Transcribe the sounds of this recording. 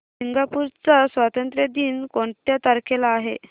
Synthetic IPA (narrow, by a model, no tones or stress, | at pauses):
siŋɡapuɾt͡sasʋat̪ənt̪ɾjəd̪iːnkõɳʈ̪jat̪aɾkʰelaːɦḛ